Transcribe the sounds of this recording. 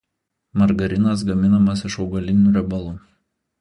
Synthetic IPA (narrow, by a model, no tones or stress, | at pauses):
mɐɾɡɐɾʲɪnɐs̬ɡɐmʲɪnɐmɐs̬ɪʃɒʊɡɐlʲɪnʲuːɾʲɛbɐlˠuː